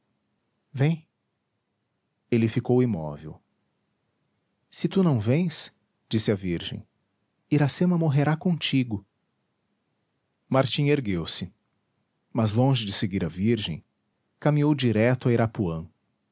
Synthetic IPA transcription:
vẽj̃ | elɪfikowimɔ̰vḛw | sɪt̪unɐ̃w̃vẽj̃s | d͡ʒisɪɐviɾʒḛ̃j̃ | iɾasẽmɐmoɦeɾakõt͡ʃiɡʊ | maɾt͡ʃĩeɾɡewsɪ | mɐzlõʒɪd͡ʒɪseɡiɾɐviɾʒḛ̃j̃ | kamĩowd͡ʒiɾɛt̪ʊaiɾapuɐ̃w̃

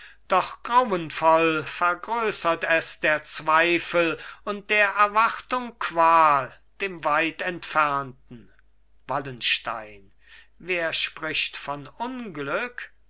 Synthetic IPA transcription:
d̥ɔχɡ̥ʁawənfɔlfɛɐɡʁøːsɐtɛsd̥eːɐt͡sv̥aɪfəlʊnt̚d̥eːɐʔɛɐvaχtʊŋkv̥aːl | d̥eːmvaɪtɛntfɛɐntn̩ | valənʃta̰ɪn | veːɐʃpʁ̥ɪçtfɔnʊnɡlʏk

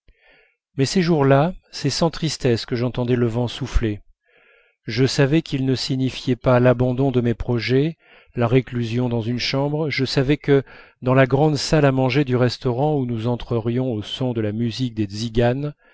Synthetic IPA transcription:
mɛseʒuʁlasɛsɑ̃t̪χist̪ɛskəʒɑ̃t̪ɑ̃d̪ɛləvɑ̃sufle | ʒəsavɛkʰilnəsiɲifjɛpalabɑ̃d̪ɔ̃d̪əmɛpχɔʒɛ | laʁeklyzjɔ̃d̪ɑ̃zynʃɑ̃bʁʒəsavɛkəd̪ɑ̃laɡʁɑ̃d̪salamɑ̃ʒed̪yʁɛst̪ɔʁɑ̃unuzɑ̃t̪χəʁjɔ̃osɔ̃d̪əlamyzik̚d̪eziɡan

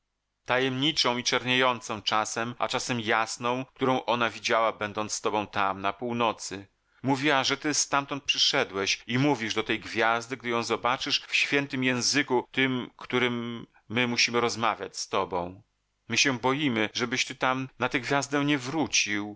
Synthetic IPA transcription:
t̪ajɛmɲit͡ʂɔ̃w̃it͡ʂɛɾɲejɔnt̪sɔ̃w̃t͡ʂasɛma̰t͡ʂasɛmjasnɔ̃w̃k̚t̪uɾɔ̃w̃ʔɔnavʲid͡ʑawabɛnd̪ɔnst̪ɔbɔ̃w̃t̪amnapuwnɔt̪sɘ | muvʲiaʐɛt̪ɘst̪amt̪ɔnt̪̚pʂɘʂɛd̪wɛɕimuvʲiʐd̪ɔt̪ɛjɡvʲjazd̪ɘɡ̚d̪ɘjɔ̃w̃zɔbat͡ʂɘʂfɕfʲjɛnt̪ɘmjɛ̃w̃zɘkut̪ɘmkt̪uɾɘmː | ɘmuɕimɘɾɔzmavʲjat͡ɕst̪ɔbɔ̃w̃ | mɘɕɛbɔjimɘʐɛbɘɕt̪ɘt̪amnat̪ɛɡvʲjazd̪ɛ̃ɲɛvɾut͡ɕiw

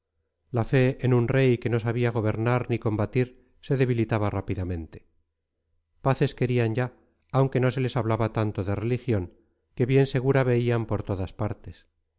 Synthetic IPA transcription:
lafe̞ʔenunre̞jke̞nosaβ̞iaɣ̞o̞β̞e̞ɾnaɾniko̞mbat̪iɾ | se̞ðe̞β̞ilit̪aβarapiðamẽ̞nt̪e̞̥ | paθe̞ske̞ɾianɟ͡ʝaː | wŋke̞no̞s̬e̞le̞saβlaβat̪ant̪o̞ðe̞re̞lixjo̞ŋ | ke̞βje̞nse̞ɣ̞uɾaβe̞iampo̞ɾt̪o̞ðaspaɾt̪e̞s

